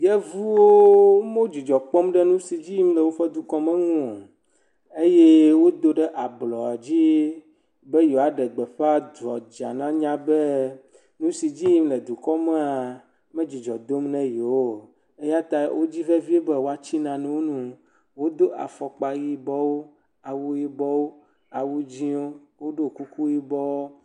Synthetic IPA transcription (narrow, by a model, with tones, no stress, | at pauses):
jɛ˦vu˦wo˦mõ˦d͡ʑi˨d͡ʒɔ˨k͡pɔ˦mɖɛ˦nũ˦si˨d͡ʑi˦ji˦m˦le˨wo˦ɸɛ˦d̪u˨kɔ˦mɛ̃˦ŋũ˦o˨ | e˦je˦wo˦d̪o˦ɖɛ˦ʔa˨blɔ˨a˨d͡ʑi˦ | be˦jo˨a˨ɖɛ˨ɡ͡be˨ɸe˦a˦d̪ɾɔ̰˨d͡ʒa̰˨nã˦ɲã˦be˦ | nũ˦si˨d͡ʑi˦i˦mle˨d̪u˨kɔ˦me˦a˨ | mẽ˦d͡ʑi˨d͡ʒɔ˨d̪o˦mnɛ̃˦je˨wo˦˨ | e˦ja˦t̪a˦wʔo˦d͡ʑi˦ve˦vi˦e˦be˦wo˦a˨t͡ɕi˦nã˨nɛ̃˦wo˦nũ˦ | wo˦d̪o˦ʔa̰˨fɔ˨k͡pa˨ɣi˦bɔ˦wo˦ | a˨wu˦ji˦bɔ˦wo˦ | a˨wu˦d͡ʑi˦wo˦wo˦ɖo˦˨ku˦ku˦ji˦bɔ˦wo˦